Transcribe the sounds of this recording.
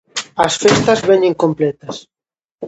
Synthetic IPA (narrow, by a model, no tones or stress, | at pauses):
ɐsfest̪ɐzβɛɲẽŋkomplɛt̪ɐs